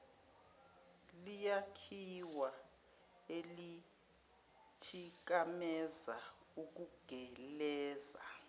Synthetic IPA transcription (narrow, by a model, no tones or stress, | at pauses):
lijakʰiwa | eli | tʰik̬amɛza | uk̬uɡ̥ʱɛlɛːza